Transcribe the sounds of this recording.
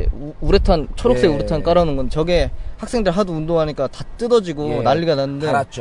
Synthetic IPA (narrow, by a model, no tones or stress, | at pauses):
uɾetʰant͡ɕʰoɾoks͈eɡeuɾetʰank͈aɾanɯnɡʌnt͡ɕʌɡehak̚s͈eŋdɯɭɦadoundoŋɦaɲik͈atat͈ɯdʌd͡ʑiɡonaʎːiɡanannɯn